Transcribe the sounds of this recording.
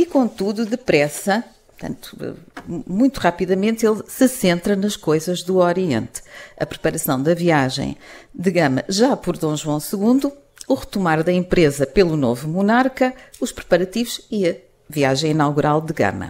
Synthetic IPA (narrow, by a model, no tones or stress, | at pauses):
ikõnt̪uðuðɨpɾɛsɐpɾt̪ɐ̰̃nt̪u̥ɛ̰mũj̃t̪uʁapiðɐmẽnt̪elˠsɨsẽnt̪ɾɐnɐʃkojzɐʒðuɔɾiḛ̃nt̪ɐpɾɨpɐɾɐsɐ̃w̃d̪ɐviaʒɐ̰̃j̃d̪ɨɣɐmɐ̰ʒapɔɾðõw̃ʒwɐ̃w̃sɨɣũnd̪uː | ʁɨt̪umaɾðɐẽmpɾezɐpelˠunovumunaɾkɐuʃpɾɨpɐɾɐt̪ivuʃiɐ | viaʒɐ̃j̃inalˠɣuɾalˠd̪ɨɣɐ̰mɐ̰